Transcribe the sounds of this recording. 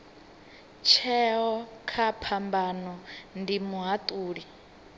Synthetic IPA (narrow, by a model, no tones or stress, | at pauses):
t͡ʃʰɛɦɔkʰapʰambanɔndimuɦat̪ʼuːɺi